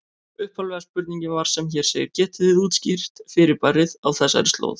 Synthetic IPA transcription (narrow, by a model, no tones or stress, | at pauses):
ʏhpʰalvɛːɣaspʏɾt̪niɲcɪvaɾ̥sɛmçɛɾ̥seːjɪɾcɛːht̪ɪðɪðuːt̪scir̥t̪fɪɾɪɾparːɪðawθɛsːa̰ɾɪst̪lo̰ːwð